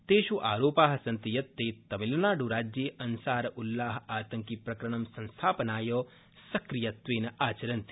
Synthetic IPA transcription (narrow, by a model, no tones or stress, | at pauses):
t̪eːʃuʔaːɾoːpaːɦɐsɐnt̪ijɐt̪ːeːt̪ɐmilːɐnaːɖuɾaːd͡ʒjeːʔɐnsaːɾɐʔulːaːɦɐaːt̪ɐŋkipɾɐkɾɐɳɐmsɐ̃nst̪ʰaːpɐnaːjoː | sɐkɾijɐt̪ʋeːnɐʔaːt͡ʃɐɾɐnt̪i̥